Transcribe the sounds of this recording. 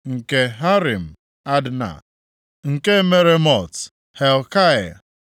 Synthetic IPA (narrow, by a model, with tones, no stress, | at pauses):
ŋ̩˨ke˨ɦa˦ɾi˨m̩˨ | a˦dna̰˨ | ŋ̩˨ke˦me˦ɾe˦mɔ˨t | he˨lka˦e˨